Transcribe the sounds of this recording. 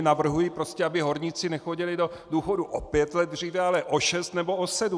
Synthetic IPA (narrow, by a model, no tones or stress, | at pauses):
navr̩ɦujipɾo̞scʲɛabɪɦo̞ɾɲɪt͡sɪnɛxoɟɪlɪdo̞duːxo̞duʔopjɛt̪lɛd̪̚d̪r̝iːvɛalɛʔoʃɛst̪nɛbo̞osɛdu